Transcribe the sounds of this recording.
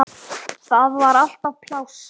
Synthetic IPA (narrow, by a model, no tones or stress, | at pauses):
θaðvaɾal̥t̪awpʰlaw